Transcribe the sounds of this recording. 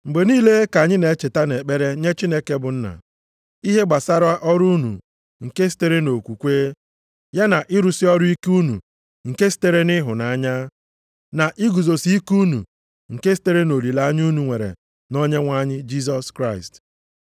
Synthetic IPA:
ŋ͡m̩˨ɡ͡be˨niː˦le˦ka˨ɲɪ˦ne˨˦t͡ʃe˨ta˦ne˨k͡pe˦ɾe˦ɲe˦t͡ʃi˦ne˦ke˦bʊ˨n̩˦na̰˨ | i˦ɦe˦ɡ͡ba˨sa˦ɾʊ˦a˦ʔɔ˦ɾu˦nṵ˨ | ŋ̩˨ke˦s̬i̥˦te˦ɾe˦no˨kʷu˨kʷeː˦ | ja˦na˨ʔɪ˦ɾu˨sɪ˦ɔ˦ɾʊ˦i˦ku˦nṵ˨ | ŋ̩˨ke˦si̥˦te˦ɾe˦nɪ˦ɦʊ˨na˨a˦ɲa˦ | na˨ʔɪ˦ɡu˨zo˨si˦i˦ku˦nṵ˨ | ŋ̩˨ke˦s̬i̥˨˦te˦ɾe˦no˨li˨la˦ɲ˦u˦nu˨ŋʷe˨ɾḛ˨ | no˦ɲe˦ŋʷa˦ɲɪ˦d͡ʒi˦s̬ɔ˨skɾa˦ɪ˨st

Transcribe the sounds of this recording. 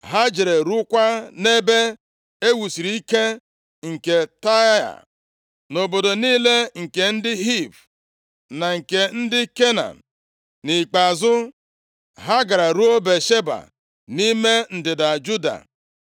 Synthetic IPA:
ɦa˦d͡ʒe˨ɾe˨ɾu˦kʷa˦ne˦be˦ | e˦wu˨si˨ɾi˨i˦ke˦ | ŋ̩˨ke˨ta˦a̰˨ | no˨bo˨do˨niː˦le˦ŋ̩˨ke˨n̩˦dɪ˦ɦi˦˨p | na˨ŋ̩˨ke˨n̩˦dɪ˦ke˦na̰˨n˨ | ni˨k͡pa˨zʊ˦ | ɦa˦ɡa˨ɾa˨ɾu˦o˦be˨ʃe˦ba̰˨ | ni˦me˦n̩˨dɪ˨da˨d͡ʒu˦da̰˨

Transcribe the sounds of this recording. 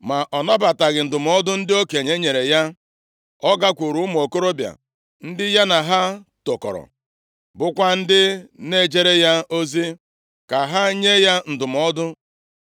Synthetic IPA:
ma˨ʔɔ˨nɔ˦ba˨ta˨ɡɪ˨n̩˨dʊ˨mɔ˦dʊ˦n̩˦dɪ˦o˦ke˨ɲe˦ɲe˨ɾe˨ja˦ | ɔ˦ɡa˦kʷu˨ɾu˨˦m˨o˨ko˦ɾo˦bja̰˨ | n̩˦dɪ˦ja˦na˨ɦa˦to˨kɔ̰˨ɾɔ̰˨ | bʊ˦kʷa˦n̩˦dɪ˦ne˦d͡ʒe˦ɾe˦ja˦o˦zi˦ | ka˨ɦa˦ɲe˦ja˦n̩˨dʊ˨m˨ɔ˦dʊ˦

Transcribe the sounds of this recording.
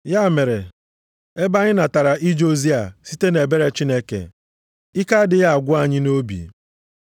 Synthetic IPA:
ja˦˨me˨ɾe˨ | e˦ba˦ɲɪ˦na˨ta˨ɾa˨ʔi˦d͡ʒo˦zi˦a̰˨si˦te˦ne˨be˦ɾe˦t͡ʃi˦ne˦kḛ˨ | ɪ˦ka˦dɪ˨ja˦a˨ɡʷʊ˦a˨ɲɪ˦no˦bḭ˨

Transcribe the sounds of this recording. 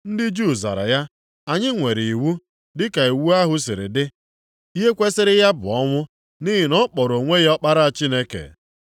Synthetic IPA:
n̩˦dɪ˦d͡ʒu˦˨za̰˨ɾa̰˨ja˦ | a˨ɲɪ˦ŋʷe˨ɾɪ˨i˨wu˦ | dɪ˦ka˨i˨wu˦a˦ɦʊ˦s̬ɪ˨ɾɪ̰˨dɪ˦ | i˦ɦe˦kʷe˦sɪ˦ɾɪ˦ja˦bʊ˨ɔ˦ŋʷʊ˦ | ni˦ɦɪ˨nɔ˦k͡pɔ˨ɾo˨ŋʷe˦ɣɔ˦k͡pa˦ɾa˦a˨t͡ʃi˦ne˦kḛ˨

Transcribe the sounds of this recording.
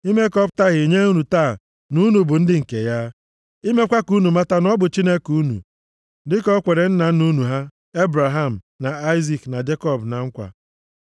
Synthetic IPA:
i˦me˦kɔ˦bta˦ɣɪ˨ɲe˦u˦nu˨taː˦˨ | nu˦nu˨bʊ˨n̩˦dɪ˦ŋ̩˨ke˨ja˦ | i˦me˦kʷa˦ku˦nu˨ma˦ta˦nɔ˦bʊ˨t͡ʃi˦ne˦ku˦nṵ˨ | dɪ˦kɔ˦kʷe˨ɾe˨n̩˦na˨n̩˦nu˦nu˨ɦa˦ | e˦bɾa˨ɦa˦m̩˨ | na˨a˦ɪ˦zi˦˨kna˨d͡ʒe˦kɔ˦bna˨ŋ̩˦kʷa̰˨

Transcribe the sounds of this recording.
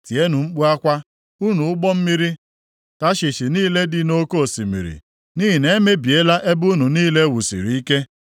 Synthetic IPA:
ti˨e˦nu˨ŋ͡m̩˦k͡pu˦a˦kʷa˦ | u˦nu˨ʊ˦ɡ͡bɔ˦m̩˦mi˦ɾi˦ | ta˦ʃi˨ʃi˨niː˦le˦dɪ˨no˦ko˦˨si˨mḭ˨ɾḭ˨ | ni˦ɦi˨ne˦me˦bi˨e˦la˦ʔe˦bu˦nu˨niː˦le˦wu˨sḭ˨ɾi˨i˦ke˦

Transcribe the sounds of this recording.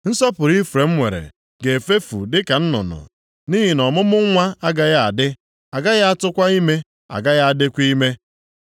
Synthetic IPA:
n̩˦sɔ˦pʊ˨ɾi˦fɾe˨m̩˦ŋʷe˨ɾḛ˨ | ɡe˨e˨fe˦fṵ˨dɪ˦ka˨n̩˦nʊ̰˨nʊ̰˨ | niː˦ɦi˨nɔ˨mʊ˦mʊ˦ŋʷa˦a˦ɡa˦ɣa˦a˨dɪ˦ | a˨ɡa˦ja˦a˦tʊ˦kʷa˦i˦me˦ | a̰˨ɡa˦ɣja˦a˨dɪ˦kʷi˦me˦

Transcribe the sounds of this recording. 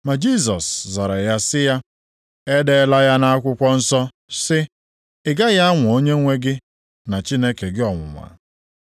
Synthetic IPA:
ma˨d͡ʒi˦s̬ɔ˨sza˨ɾa˨ja˦sɪ˦ja˦ | e˦de˦la˦ja˦na˦a˦kʷʊ˦kʷɔ˦n̩˦sɔ˦ | sɪ˦ | ɪ˨ɡa˦ja˦a˦ŋʷʊ˨o˦ɲe˦ŋʷe˦ɡɪ˦ | na˨t͡ʃi˦ne˦ke˨ɡɪ˦ɔ˨ŋʷʊ̰˨mʷa̰˨

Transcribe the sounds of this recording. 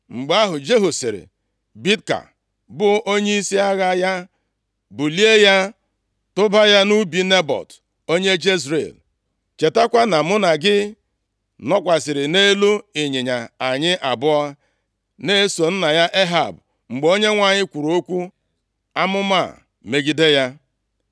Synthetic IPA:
ŋ͡m̩˨ɡ͡ba˦ɦʊ˨d͡ʒe˦ɦu˨sɪ˨ɾɪ̰˨ | bi˦tka̰˨ | bʊ˨ʔo˦ɲe˦i˦si˦a˦ɣa˦ja˦ | bʊ˨li˦e˦ja˦ | tʊ˦ba˦ja˦nu˦bi˦ne˦bɔ̰˨t | o˦ɲe˦d͡ʒe˦zɾḛ˨l | t͡ʃe˨ta˦kʷa˦na˨mʊ˦na˨ɡɪ˦ | nɔ˦kʷa˨sɪ˨ɾɪ˨ne˦lu˦ɪ˨ɲɪ˨ɲa˨a˨ɲɪ˦ʔa˨bʊ˦a˦ | ne˦so˨n̩˦na˨ja˦ʔe˦ɦa̰˨b | ŋ͡m̩˨ɡ͡be˨o˦ɲe˦ŋʷa˨ɲɪ˦kʷu˨ɾo˦kʷu˦ | a˦mʊ˦ma̰˦˨ | me˦ɡi˦de˦ja˦

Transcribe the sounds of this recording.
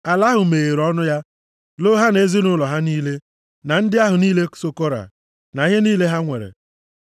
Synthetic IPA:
a˨la˦ɦʊ˨meː˨ɣe˨ɾɔ˦nʊ˦ja˦ | lo˦ɦa˦ne˦zi˦nʊ˦lɔ˨ɦa˦niː˦le˦ | na˨n̩˦dɪ˦a˦ɦʊ˨niː˦le˦so˦ko˦ɾa̰˨ | na˨ɣe˦niː˦le˦ɦa˦ŋʷe˨ɾḛ˨

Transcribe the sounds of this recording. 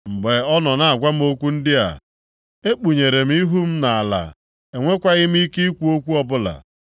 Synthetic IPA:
ŋ͡m̩˨ɡ͡be˨ɔ˦nɔ˨na˨a˨ɡʷa˦m̩˦o˦kʷu˦n̩˦dɪ˦a̰˨ | e˦k͡pu˨ɲe˨ɾe˨m̩˦i˦ɦu˦m̩˦na˨a˨la̰˨ | e˨ŋʷe˦kʷa˦ɣɪ˦m̩˦i˦ki˦i˦kʷu˦o˦kʷu˦ɔ˦bʊ˦la̰˨

